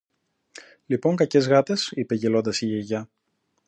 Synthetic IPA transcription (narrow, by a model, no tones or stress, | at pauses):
lipo̞ŋkɐce̞zɣɐt̪e̞sipe̞ʝelo̞nd̪ɐsiʝeʝɐ